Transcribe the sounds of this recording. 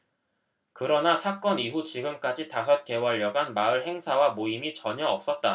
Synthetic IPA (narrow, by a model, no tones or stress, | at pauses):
kɯɾʌnasʰak͈ʌniɦut͡ɕiɡɯmk͈ad͡ʑitasʰʌt̚k͈e̞wʌʎːjʌɡanmaɯɭɦe̞ŋsʰawamoimit͡ɕʌɲʌʌp̚s͈ʌt̚t͈a